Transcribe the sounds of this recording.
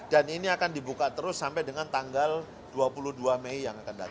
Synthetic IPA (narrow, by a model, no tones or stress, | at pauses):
daniniakandibukat̪əɾʊsːampɛjdəŋant̪aŋɡal | d̥uapuluhduameijaŋakanda̰t̪